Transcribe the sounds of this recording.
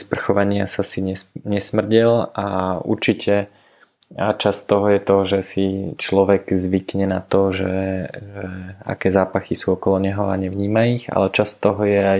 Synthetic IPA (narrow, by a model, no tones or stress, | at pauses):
spr̩xɔʋaɲɪasasiɲɛɲɛsmr̩ɟilaṵɾt͡ʃicʰɛ | at͡ʃast̪ɔɦɔjɛt̪ɔʒɛsit͡ʃlɔʋɛɡzʋikɲɛnat̪ɔʒɛʒɛa̰kɛːzaːpaxisuːɔkɔlɔɲɛɦɔaɲɛʋɲiːmaiɣa̰lɛt͡ʃast̪ɔɦɔjɛaj